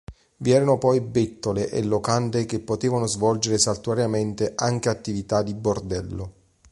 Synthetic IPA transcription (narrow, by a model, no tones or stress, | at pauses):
viɛːɾanopɔjbet̪ːoleʔḛlːokant̪ekepːot̪eːvanozvɔld͡ʒeɾesalt̪waɾjament̪eʔaŋk̟eat̪ːivit̪ad̪ibord̪ɛlːo